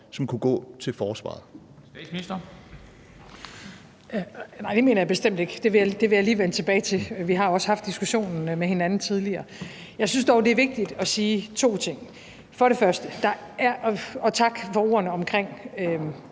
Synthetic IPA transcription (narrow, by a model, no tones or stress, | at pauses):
sɒ̽mkʰuɡ̥ɔ̰ːt͡sʰe̝lfɒːsʋɑ̰̈ːðˠ | isd̥ɐ | nɑ̈ɪ̰d̥eme̝ːnɐjɑ̈b̥e̝sd̥em̰d̥e̝ɡ̥d̥e̝ʋe̝jd̥e̝ʋejɑ̈liːʋenət͡sʰe̝b̥ɛːɪt͡sʰe̝lʋiɦɑ̈jo̝ɒ̽shɑ̈fd̥isɡ̥uɕo̝̰ːnn̩mehe̝nænn̩t͡sʰiðˠliɐː | jɑ̈ɪsynsd̥ɒʊd̥e̝æɐʋe̝ɡ̥̚d̥id̥ɒ̽siːt͡sʰo̝̰ːt͡sʰe̝ŋ̰ | fɒ̽ɾe̝fɶɐsd̥əd̥ɑ̈æɐʔɒ̽t͡sʰɑ̈ɡ̥fɒ̽o̝ɐnəɒ̽mkʰʁeŋ̰ø